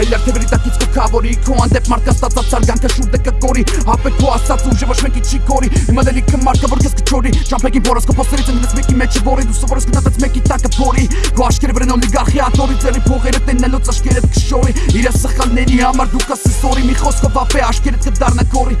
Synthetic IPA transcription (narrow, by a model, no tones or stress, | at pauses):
ɛlɑɾt̪ʰɛvɛɾit̪ɑkit͡sʰkʰɔkʰɑvɔɾikʰɔɑnd̪ɛpmɑɾt̪̚kɑnt͡sʰt̪at͡s̪at͡s̪ɑɾɡɑŋkʰəʃuɾd̪əkəkɔɾi | ɑpɛkʰɔɑst̪ɑt͡suʒɛvɔt͡ʃʰmɛkit͡ʃʰikʰɔɾihimanɛlikʰəmɑt̪̚kʰavɔɾkɛskʰə̥t͡ʃʰɔɾi | t͡ʃʰɑpʰɛkipʰɔɾɛskʰɔpʰɔst̪ɛɾit̪t͡sʰəninɛt͡sʰmɛkimɛt͡ʃʰɛvɔɾid̪usɔvɔɾɛskʰənət̪ɛt͡sʰmɛkit̪ɑkəpʰɔɾi | kʰɔɑʃkɛɾɛvɾɛnɔliɡɑɾχiɑt̪ʰɔɾit͡s̪ɛɾipʰɔʁɛɾət̪ɛnːɛlɔt͡sɑʃkɛɾɛt̪̚kʰə̥ʃɔɾiiɾɛsəχɑlnɛɾihɑmɑɾd̪ukasɛst̪ɔɾimiχɔskʰɔvɑpɛɑʃkɛɾɛt̪̚kəd̪ɑrnɛkʰɔɾi